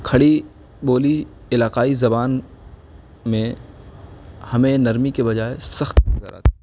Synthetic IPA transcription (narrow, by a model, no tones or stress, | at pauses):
kʰɐɽi | boːli | ɪlaːqaːizɐbaːn | mẽ | hɐmẽnɐɾmikebɐd͡ʒaːesɐxt̪ːza̰ːɾa̰ːt̪ː